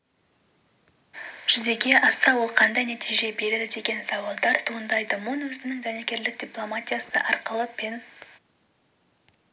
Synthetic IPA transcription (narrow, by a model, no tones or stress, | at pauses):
ʒ̥ʏze̞ɡʲe̞ʔɑsɑwo̞lˠqʰɑnd̪ɑjnat̪ijʒe̞be̞ɾed̪ɪd̪e̞ɡʲe̞nsɑwɑlˠd̪ɑɾt̪ʰuənd̪ɑjd̪əmonwɵzɪnɪŋʒænekʲe̞ɾlɪk̚d̪ʲiplˠo̞mat̪ʲijasəʔɑɾqəlˠəpe̞n